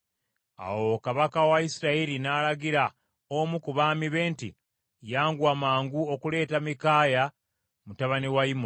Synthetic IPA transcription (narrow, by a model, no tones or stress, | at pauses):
a̰wo̞kaβakawaisiɾaiɾinaːlaɡiɾa | omukuβaːmiβe̞ːntḭ | jaːŋɡwaːmaːŋɡuo̞kule̞ːtamikaːja | mutaβaniwaim